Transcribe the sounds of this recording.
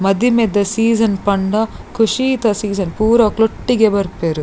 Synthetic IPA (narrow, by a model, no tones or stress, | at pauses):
mɐd̪imed̪ɐsiːd͡ʒɐnpɐɳɖɐkʰuʂiːt̪ɐsiːd͡ʒɐnpuːɾɐɐkloʈːiɡebɐɾpeɾu